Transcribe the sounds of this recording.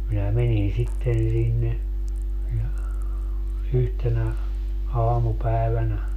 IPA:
minæ menin sitːen sinːe jɑ yhtenæ ɑːmupæˑeʋænæ

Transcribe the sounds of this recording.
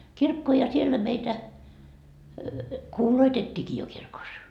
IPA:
kirkːoː jɑ sielːæ meitæ kuːloitetʲːiːki jo kirkos

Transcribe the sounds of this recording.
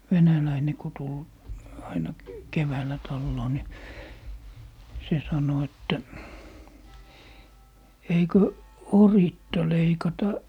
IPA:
ʋenælæine ko tul ɑinɑ keʋæːlːæ tɑlːoː ni se sɑno etːæ eikø oritːɑ leikɑtɑ

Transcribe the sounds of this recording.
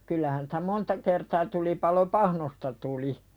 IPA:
kylːæhæn sĭ̥tæ montɑ kertɑː tulipɑlo pɑhnostɑ tuli

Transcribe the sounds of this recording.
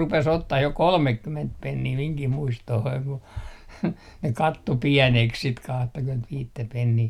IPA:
rupes otːɑh jo kolmekːyment penːiː miŋkih muistohoiŋ ku ne kɑtːo piɛneks sit kɑhtɑkymentʋiːtːæ penːiː

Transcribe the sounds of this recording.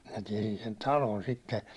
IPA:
minæ tiɛsin sen tɑlon sitːe

